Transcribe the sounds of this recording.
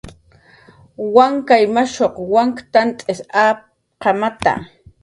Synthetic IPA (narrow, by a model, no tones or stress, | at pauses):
waŋkajmaʃoqwaŋkt̪ant̪ʼesaː | qɑmat̪a̰